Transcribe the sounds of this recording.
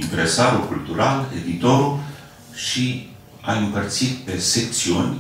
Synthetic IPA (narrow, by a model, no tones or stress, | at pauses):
int̪ɾesaɾukult̪uɾalḛd̪it̪o̞ɾu | ʃi | aɨmpərt̪sit̪pe̞sekt̪siunʲ